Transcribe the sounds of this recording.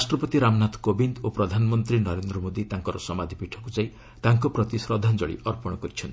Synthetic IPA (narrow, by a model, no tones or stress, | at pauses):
asʈɾɔpɔt̪iɾamnat̪kobind̪opɾɔd̪ʱanɔmɔnt̪ɾinɔɾend̪ɾɔmod̪it̪aŋkɔɾɔsɔmad̪ʱipiʈʰɔkud͡ʒaj | t̪aŋkɔpɾɔt̪isɾɔd̪ʱand͡ʒɔɭḭʔɔɾpɔɽ̃ɔkɔɾit͡ʃʰɔnt̪i